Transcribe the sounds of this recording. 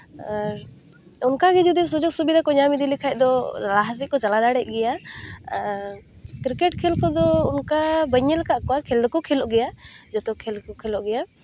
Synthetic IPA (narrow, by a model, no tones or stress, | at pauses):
unkaɡɛd͡ʒud̪is̬ud͡ʒɔsubid̪akɔɲamid̪ilikʰajc̚ˀd̪ɔlalaɦas̬iʔ̚kɔt͡ʃalad̪aɽɛc̚ˀɡɛja | kɾikɛʈkʰɛlkɔd̪ɔunkabəɲːɛlkaʔkɔakʰɛld̪ɔkɔkʰɛlɔʔɡɛjad͡ʒɔt̪ɔkʰɛlkɔkʰɛlɔʔɡɛja